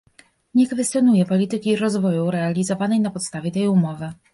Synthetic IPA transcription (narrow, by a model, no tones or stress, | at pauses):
ɲɛkfɛst̪jɔnujɛpɔlʲit̪ɘkʲiɾɔzvɔjuɾɛalʲizɔvanɛjnapɔt̪st̪avʲjɛt̪ɛjumɔvɘ